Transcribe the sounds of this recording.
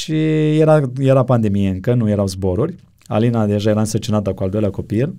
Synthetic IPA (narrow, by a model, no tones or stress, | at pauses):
ʃijeɾajeɾapand̪e̞mijeɨŋkənuje̞ɾawzbo̞ɾuɾʲ | a̰linad̪e̞ʒaje̞ɾaɨnsərt͡ʃinat̪əkuald̪o̞jleako̞pil